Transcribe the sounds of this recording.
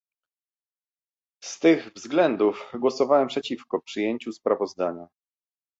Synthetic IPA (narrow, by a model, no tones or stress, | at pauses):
st̪ɘɣvzɡlɛnd̪ufɡwɔsɔvawɛmpʂɛt͡ɕifkɔpʂɘjeɲt͡ɕuspɾavɔzd̪aɲa